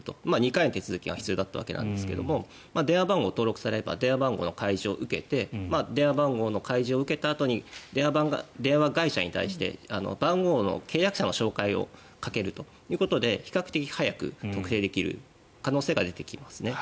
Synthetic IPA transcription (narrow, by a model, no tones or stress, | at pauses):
t̪o̞maːɲ̟ikainot̪e̞t͡sɨzɨkʲiɡa̰çi̥t͡sɨjo̞ːd̪at̪ːaβa̰ke̞nã̰nd̪e̞sɨ̥ke̞̰d̪o̞̰mo̞ | maːd̪e̞ɰ̃abãŋɡo̞ːt̪o̞ːɾo̞kɯ̟̥saɾee̞ba̰d̪ẽ̞ɰ̃βabãŋɡo̞̰ːno̞kaiʑio̞ʔɯ̟ke̞t̪e̞mad̪ẽ̞ːabãŋɡo̞ːno̞kaiʑio̞ɯ̟ke̞t̪aːt̪o̞ɲ̟id̪eaɡa̰d̪ẽ̞ɰ̃βaɡaiɕaɲ̟ḭt̪a̰iɕi̥t̪e̞̰ano̞̰bãŋɡo̞ːno̞̰kʰe̞ːjakɯ̟̥ɕano̞ɕo̞ːkaio̞̰ | kake̞ɾɯ̟t̪o̞̥ | jɯ̟ːkot̪o̞d̪e̞çi̥kakɯ̟t̪e̞kʲihajakɯ̟̰t̪o̞kɯ̟t̪e̞ːd̪e̞kʲiɾɯ̟̰ | kano̞ːse̞ːɡad̪e̞t̪e̞̥kʲimasɨne̞